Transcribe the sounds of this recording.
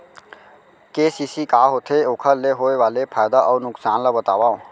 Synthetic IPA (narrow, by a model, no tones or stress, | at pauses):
keːsisikaːɦot̪ʰeoːkʰəleɦoːeʋaːlepʰaːjd̪aʔɔːɾnʊksaːnlabət̪aːʋaːõ